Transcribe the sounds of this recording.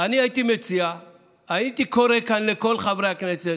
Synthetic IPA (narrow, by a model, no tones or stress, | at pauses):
aniajit̪ime̞t͡sia | ait̪iko̞ɾe̞kanleko̞lχavʁeakne̞se